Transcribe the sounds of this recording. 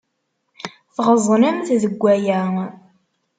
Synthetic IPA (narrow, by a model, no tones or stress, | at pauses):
θʁəzˤnəmθðəɡʷːæjæ